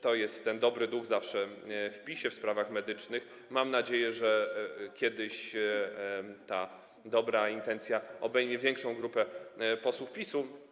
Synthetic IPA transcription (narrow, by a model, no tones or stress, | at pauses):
t̪ɔjɛst̪tːɛnd̪ɔbɾɘd̪uɣzafʂɛfpʲiɕɛfspɾavaxmɛd̪ɘt͡ʂnɘx | mamnad͡ʑejɛʐɛkʲjɛd̪ɘɕ | t̪a | d̪ɔbɾaint̪ɛnt̪sʲjaɔbɛjmʲɛvʲjɛŋkʂɔ̃w̃ɡɾupɛpɔswufpʲisu